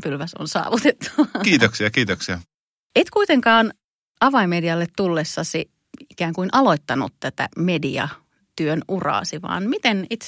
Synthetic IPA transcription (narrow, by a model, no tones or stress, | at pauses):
pylʋæso̰nsɑ̰ːʋut̪et̪ːɑ̥ʋɑkiːt̪oksiɑkiːt̪oksiɑ | eit̪kuit̪eŋkɑːn | ɑʋɑimediɑlːet̪t̪ulːesːɑsi | ikæːŋkuinʔɑloit̪ːɑnṵt̪t̪æt̪æ̰mediɑ̰ | t̪yønurɑ̰ːsiʋɑ̰ːnmit̪enit̪